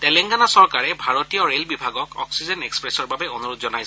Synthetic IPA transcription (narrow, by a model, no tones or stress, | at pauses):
tɛlɛŋɡanasɔɹkaɹɛbʱaɹotijɔɹelbibʱaɡɔkɔ̰ksizɛnekspɹɛsɔɹbabɛonuɹud̪zɔnajs